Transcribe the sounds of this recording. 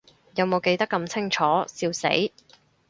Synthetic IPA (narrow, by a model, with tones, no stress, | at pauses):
jɐ˨˧wmo˨˧wke˧jt̪ɐ˥kːɐ˧mt͡sʰɪ˥ŋt͡ʃʰɔː˨˥siː˧wsḛ˨˥j